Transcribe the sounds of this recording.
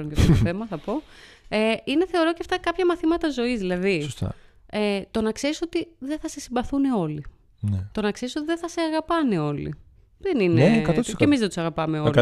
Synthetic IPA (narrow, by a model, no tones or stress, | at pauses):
ɾonceɐft̪ot̪oθemɐθɐpo̞eine̞θe̞o̞ɾo̞ceɐft̪ɐkɐpçɐmɐθimɐt̪ɐzo̞izðilɐðisost̪ɐ̰et̪o̞nɐkse̞ɾiso̞t̪iðe̞θɐse̞simbɐθuneo̞li | net̪o̞nɐkse̞ɾisot̪iðeθɐseɐɣɐpɐneo̞lḭ | ðenineɐemizðet̪u̥sɐɣɐpɐmeo